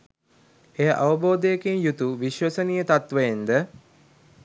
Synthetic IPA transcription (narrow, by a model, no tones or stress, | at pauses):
ejaʔaʋəboːd̪əjekenjut̪uʋiʃʋɐsənijət̪at̪ʋəjend̪ə